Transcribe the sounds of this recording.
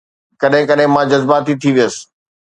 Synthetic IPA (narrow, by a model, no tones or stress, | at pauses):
kɐɗɦɪ̃kɐɗɦɪ̃mãd͡ʑɐzbat̪it̪ʰiʋijəsɪ̥̆